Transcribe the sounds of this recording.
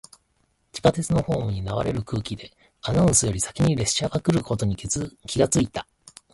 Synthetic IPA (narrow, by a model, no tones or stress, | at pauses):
t͡ɕi̥kat̪e̞t͡sɨno̞ho̞ːmɯ̟ɲ̟inaβa̰ɾe̞ɾɯ̟kɯ̟ːkʲid̪e̞ | anaɯ̃sɨjo̞ɾʲisḁkʲiɲ̟iɾe̞sɕaɡakɯ̟ɾɯ̟ko̞t̪o̞ɲ̟ikʲiɡat͡sɨit̪a